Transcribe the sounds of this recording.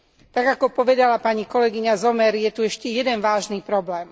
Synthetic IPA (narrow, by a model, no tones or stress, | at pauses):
t̪aɡakɔpɔʋɛd̪alapaɲikɔlɛɡiɲazɔmɛɾjɛt̪uɛʃcɛjɛd̪ɛnʋaːʒniːpɾɔblɛːm